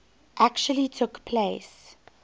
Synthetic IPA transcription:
ʔækt͡ʃuəlitʰʊkpʰles

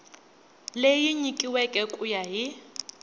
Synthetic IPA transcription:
lejiɲikʼiwɛkʼɛkʼujaɦi

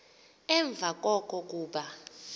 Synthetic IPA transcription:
ɛɱb̪vʱak̬ʼɔkʼɔk̬ʼuːɓa

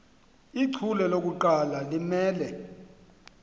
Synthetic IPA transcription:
iǀʰulɛlok̬ʼuǃalalimɛːlɛ

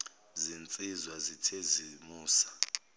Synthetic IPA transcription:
zint͡sʼizwazitʰezimuːsḁ

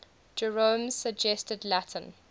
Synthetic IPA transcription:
d͡ʒɛɹõmz̥səɡd͡ʒɛstədlætʰə̃n

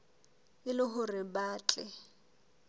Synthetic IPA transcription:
ɪlɪɦʊrɪbaːt͡ɬʼɛ̰

